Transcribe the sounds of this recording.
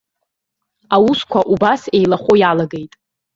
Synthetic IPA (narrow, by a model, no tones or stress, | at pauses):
awuskʷʰaʔubase̞jlaχʷojalaɡe̞jtʼ